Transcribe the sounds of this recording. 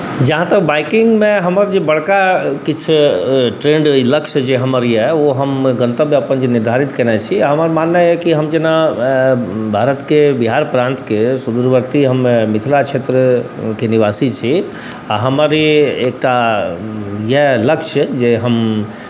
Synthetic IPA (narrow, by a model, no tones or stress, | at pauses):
d͡ʒəɦãt̪ək̚baɪkiŋɡmeɦəməɾd͡ʒebəɽ̤kakit͡ʃʰʈɾeɳɖləkʃəd͡ʒeɦəməɾjɛoɦəmɡə̃nt̪əbmeəpənd͡ʒeniɾd̪ʱaɾit̪kɛnɛt͡ʃʰiɦəməɾmanːajɛkiɦəmd͡ʒena | bʱaɾət̪kebiɦaɾpɾãnt̪kesud̪uɾʋəɾt̪iɦəmːemit̪ʰilat͡ʃʰet̪ɾə | keniʋasit͡ʃʰi | aɦəməɾiek̚ʈa | jeləkʃəd͡ʒeɦəm